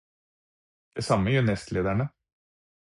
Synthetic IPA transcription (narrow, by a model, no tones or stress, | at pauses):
d̪̥ɛsɑmːəjʉnɛst̪leːd̪æɳə